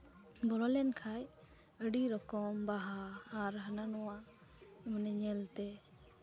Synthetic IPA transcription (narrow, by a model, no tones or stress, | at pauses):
bɔlɔlɛnkʰaj | əɖiɾɔkɔmbaɦaːɾɦənanɔwa | manɛɲɛlt̪ɛ